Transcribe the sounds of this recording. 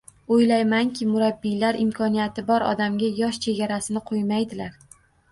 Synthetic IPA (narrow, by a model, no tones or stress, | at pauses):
ojlajmaŋkʲʰɪmʊɾabːilaɾɪmkʰɒnijat̪ʰɪbɒɾɒ̰d̪amɡʲajɒʃt͡ʃʰe̞ɡʲaɾasɪnɪqʰojmajd̪ɪlaɾ